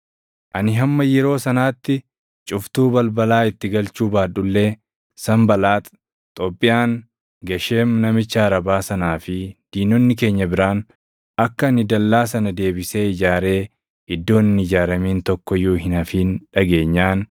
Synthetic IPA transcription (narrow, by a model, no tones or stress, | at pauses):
ʔɐnɪɦɐmːɐjɛɾo̞ːsɐnaːt̪ːɪ | t͡ʃʼʊft̪uːbɐlbɐlaːɪt̪ːɪɡɐlt͡ʃuːbaːᶑʊlːe̞ː | sɐmbɐlaːt̪ | t̪ʼoːpʼːɪjaːŋ | ɡɐʃe̞ːmnɐmɪt͡ʃːaːɾɐbaːsɐnaːfɪd̪̥iːnɔnːɪk̬e̞ːɲːɐbɪɾaːn | ɐkːɐɐnɪd̪ɐlːaːs̬ɐnɐd̪e̞ːbɪseːɪd͡ʒaːɾe̞ː | ɪd̪ːo̞ːnnɪd͡ʒaːɾɐmiːnt̪ɔkːɔjuːɦɪnɐfiːnᶑɐɡe̞ːɲːaːn